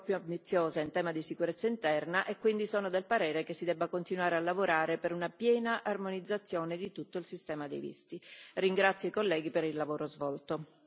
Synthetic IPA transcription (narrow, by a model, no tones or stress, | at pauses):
pːjuambit̪sːjoːzaint̪ɛːmad̪isikuɾet̪sːaint̪ɛrnaʔekːwind̪isoːnod̪elpaɾɛːɾekesːid̪ɛbːakont̪inwaːɾealːavoɾaːɾepeɾunapjɛːnaʔarmonid̪zːat̪sːjoːned̪it̪ut̪ːoilsist̪ɛːmad̪ḛjvḭst̪iriŋɡɾat̪sːjoikolːɛːɡipeɾilːavoːɾozvɔlt̪o